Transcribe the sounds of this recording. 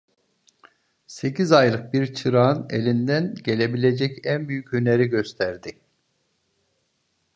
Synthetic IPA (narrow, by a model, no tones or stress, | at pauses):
se̞cizajlˠɯk̚biɾt͡ʃʰɯɾaɯnelʲind̪ænɟe̞lʲe̞bilʲe̞d͡ʒɛcænbyjycøneɾiɟø̞st̪ʰæɾd̪ɪ